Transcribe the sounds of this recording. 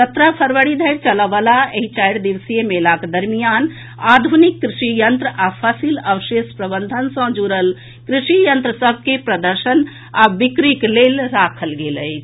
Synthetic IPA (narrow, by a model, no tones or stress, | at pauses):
sət̪ɾapʰəɾʋəɽid̪ʱəjɾt͡ʃələʋalaeɦit͡ʃajɽd̪iʋsijemelaked̪əɾmijan | ad̪ʱunikːɾiʃijənt̪ɾəapʰəsiləʋəsespɾəbənd̪ʱənsə̃d͡ʒuɾəl | kɾiʃijənt̪ɾəsəbʱkepɾəd̪əɾsən | abikɾiklelɾakʰəlɡeləjt͡ʃʰ